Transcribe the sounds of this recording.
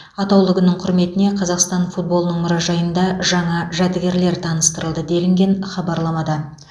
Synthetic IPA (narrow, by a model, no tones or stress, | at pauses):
ɑt̪ɑwlˠəɡənəɴqʰʊɾme̞t̪ɪne̞qʰɑzɑqst̪ɑnfut̪̚bo̞lˠənəɴmʊɾɑʒɑjənd̪ɑʒɑɴɑʒæt̪ɪɡʲe̞ɾle̞ɾt̪ʰɑnəst̪əɾəlˠd̪əd̪e̞lɪŋɡʲe̞nχɑbɑɾlˠɑmɑd̪ɑ